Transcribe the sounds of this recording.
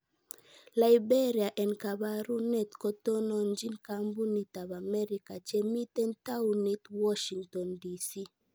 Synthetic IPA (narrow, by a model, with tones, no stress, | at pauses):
la˨ibe˦ɾia˨ʔɛ˨nka˨ba˦ɾu˦nɛ˦˨t̪kɔ˨tɔ˦nɔ˨nd͡ʒi˦nkambu˦ni˨ta˨βa˨mɛ˦ɾi˨ka˨t͡ʃe˦mi˦tɛ˦nt̪a˦u˨ni˨t̪wɔ˦ʃi˨ŋtɔ˨ndi˨si˦